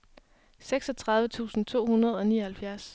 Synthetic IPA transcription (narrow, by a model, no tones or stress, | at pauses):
seɡ̥sɒt͡sʰʁɑ̈ðˠʋət͡sʰṵːsn̩t͡sʰo̝̰ːhunɐð̞̩ˠɒ̽nḭːɐhælfjæɐs